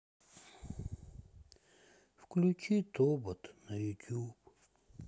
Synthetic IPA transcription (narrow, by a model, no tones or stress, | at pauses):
fklʲut͡ʃit̪obət̪nɐjʊt̪ʲup